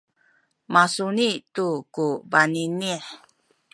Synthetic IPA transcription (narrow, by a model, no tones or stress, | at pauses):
masunitukubaniniħ